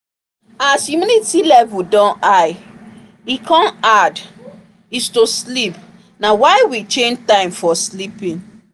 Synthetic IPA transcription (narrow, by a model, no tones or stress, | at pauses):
asjuminitilɛvudɔ̃naɪ | ikʰɔ̃nad | istoslip | nawaɪwit͡ʃẽnd͡ʒtãɪ̃mfɔslipĩn